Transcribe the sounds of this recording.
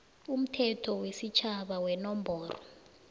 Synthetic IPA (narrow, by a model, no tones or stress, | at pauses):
um̩tʰɛtʰɔwesit͡ʃʰaɓawɛnɔmbʱɔːrɔ